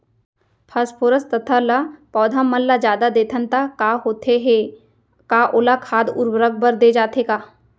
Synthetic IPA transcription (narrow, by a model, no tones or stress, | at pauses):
pʰaspʰoːɾəst̪ɐt̪ʰalapɔːd̪ʱamːəlːad͡ʒjaːd̪ad̪eːt̪ʰənt̪akaːɦoːt̪ʰeɦe | kaːʔoːlakʰaːd̪ʊ̰ɾwɾəɡ̚bəɾd̪eːd͡ʒaːt̪ekaː